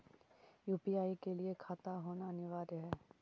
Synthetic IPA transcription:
juːpiaːikeliekʰaːt̪aɦoːnaənɪʋaːɾɦɛː

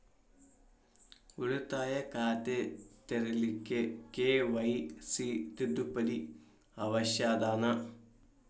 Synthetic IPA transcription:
uɻut̪ːaːjɐkaːt̪et̪erilikːekeːʋɐjsit̪id̪upːɐdi | ɐʋɐɕjaːd̪aːnɐ

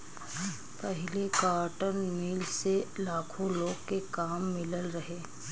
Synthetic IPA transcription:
pɐɦɪlekaːɾʈənmiːlselaːkʰõloːɡkekaːmːɪləlɾɐɦeː

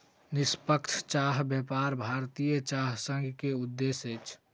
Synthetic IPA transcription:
nɪspəkt͡ʃʰt͡ʃaːɦbjɛpaːɾbʱaːɾt̪ijət͡ʃaːɦsə̃ŋɡʱkeʊd̪ːeset͡ʃʰ

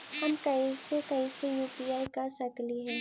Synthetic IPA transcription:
hɐmkɐisekɐisejuːpiaːikasɐkliɦɛː

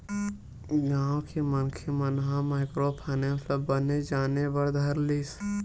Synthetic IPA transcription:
ɡãːwkʰemənkʰemənɦãmaːɪkɾopʰaːnemət̪ləbːəned͡ʒaːnebəɽd̪ʱəɾlis

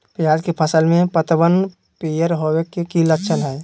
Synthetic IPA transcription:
pjaːd͡ʒkepʰəsəlmẽpət̪bən | pijəɾɦowekekiləkʃʰənɦɛː

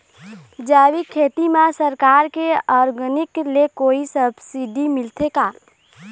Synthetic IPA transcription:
d͡ʒaːwikʰeːt̪imãsəɾkaːɾkeɔːɾɡənɪklekoːisəbsiɖimɪlt̪ʰekaː

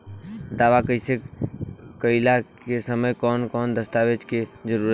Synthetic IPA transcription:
d̪aːʋakəɪse | kəɪla | esəməjkɔːnkɔːnd̪əst̪aʋed͡ʒked͡ʒəɾuɾə

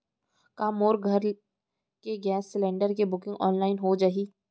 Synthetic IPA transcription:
kaːmoːɾɡʱɐɾ | keɡɛːsːɪlẽːɳɖəɾkebʊkɪ̃ŋɡɔːnlaːɪnɦod͡ʒaɦiː

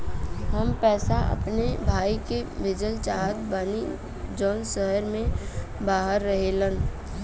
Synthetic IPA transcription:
ɦəmpɛːsaʔə̰pnebʱaːikebʱɪd͡ʒəlt͡ʃaːɦət̪baːni | d͡ʒɔːnsəɦəɾmẽbaːɦəɾːəɦelən

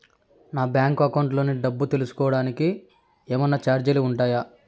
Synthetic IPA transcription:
naːbʲjaːŋkɐkɐwɳʈlo̞ːniɖɐbːut̪elusu̥kɔːʋɐɽaːniki | eːmɐnːɐt͡ʃaːɾd͡ʒɐluuɳʈaːja

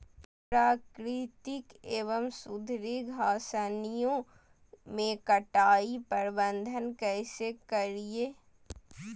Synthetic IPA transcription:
pɾaːkɾit̪ɪkeːʋəmsʊd̪ʱɾiɡʱaːsənijõ | mẽkɐʈaːipɐɾbə̃nd̪ʱənkɛːsekɐɾieː

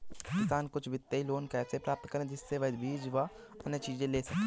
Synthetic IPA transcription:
kɪsaːnkʊt͡ʃʰʋɪt̪ːeiloːnkɛːsepɾaːp̚t̪kɐɾẽd͡ʒɪsːeʋɐsbʱiːd͡ʒʋa | ɐnːət͡ʃiːd͡ʒẽleːsɐk̚t̪ː

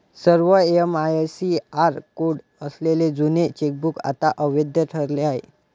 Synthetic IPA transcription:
səɾʋəeəmajesiaɾkoɽ | əsleled͡zunet͡ɕek̚buka̰t̪aʔəʋed̪jəʈʰəɾleaɦḛ

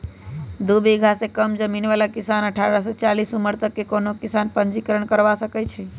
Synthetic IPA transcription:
d̪ubiɡʱasekəmd͡ʒəminʋalakisanəʈʰaɾəset͡ʃalisuməɾt̪əkːekonokisanpənd͡ʒikəɾəɳ̃kəɾʋasəkɛt͡ʃʰɛ

